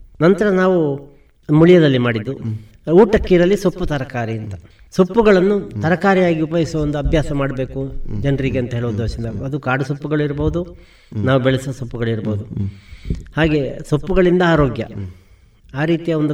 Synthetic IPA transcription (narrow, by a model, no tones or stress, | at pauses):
nɐnt̪ɐɾɐnaːʋu | muɭijɐd̪ɐlːimaːɽid̪ːu | uːʈɐkːiːɾɐlːisopːut̪ɐɾɐkaːɾiɐnt̪ɐ̥ | sopːuɡɐɭɐnːut̪ɐɾɐkaːɾijaːɡiupɐɦisɐʋɐnd̪uɐbʱjaːsɐmaːɽɐbe̞ːkud͡ʒɐnɾiɡeɐnt̪ɐɦeːɭuʋɐd̪oːʃind̪ɐɐd̪ukaːɽusopːuɡɐɭuiɾɐboɦud̪u | naːʋubɛɭɐsʋɐsopːuɡɐɭuiɾɐboːud̪u | haːɡe̞sopːuɡɐɭind̪ɐaːɾo̞ːɡjɐ̰ | aːɾiːt̪ijɐond̪u